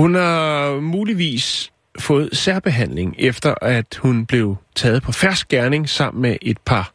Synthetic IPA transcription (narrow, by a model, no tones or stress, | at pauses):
hunhɑ̈muːliʋḭːs | fɔ̽ːð̩ˠsæɐ̰b̥e̝ɦæn̰le̝ŋefd̥ɐʔæd̥hunb̥le̝ʊt͡sʰɛːð̞̩ˠpʰɒ̽fæɐ̰sɡ̥̚ɡ̥æɐne̝ŋsɑ̈m̰n̩meʔe̝d̥̚pʰɑ̈